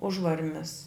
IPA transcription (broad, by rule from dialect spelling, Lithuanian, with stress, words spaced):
ˈʊʒʋɐrʲmʲɪs